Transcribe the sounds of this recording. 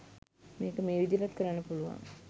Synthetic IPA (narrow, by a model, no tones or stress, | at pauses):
meːkəmeːʋid̪ilat̪kəɾanːəpuluʋa̰ŋ